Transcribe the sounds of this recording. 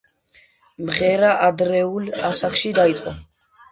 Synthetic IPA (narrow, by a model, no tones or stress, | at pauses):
mʁɛɾaʔad̪ɾɛulasakʰʃid̪ait̪sʼqʼɔ̰